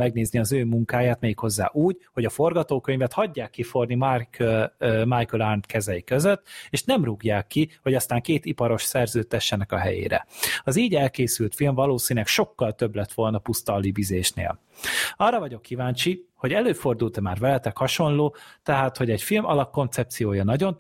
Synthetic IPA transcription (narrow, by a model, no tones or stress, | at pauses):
ɛɡ̚neːzniɒzøːmuŋkaːjaːt̪mɛːjikho̞zːa̰ːʔuːɟho̞ɟɒfo̞rɡɒt̪oːkøɲvɛt̪hɒɟːaːkːifo̞rni | majkølarnt̪kɛzɛjikøzøt̪ːeːʃnɛmruɡjaːkːiho̞ɟɒst̪aːŋkeːt̪ipɒɾo̞ʃsɛrzøːt̪ːɛʃːɛnɛkɒɦɛ̰jḛːɾɛ̰ɒziːɟɛlkeːsylt̪filɱvɒloːsiːnlɛkʃo̞kːɒlt̪ø̞blɛt̪ʋo̞lnɒpust̪ɒlːibizeːʃnḛːl | ɒrːɒvɒɟo̞kːivaːnt͡ʃiho̞ɟɛløːfo̞rd̪ult̪ɛmaːrvɛlɛt̪ɛkhɒʃo̞nloːt̪ɛɦaːt̪ho̞ɟɛɟfilmɒlɒkːo̞nt̪sɛp̚t̪sijoːjɒnɒɟo̞n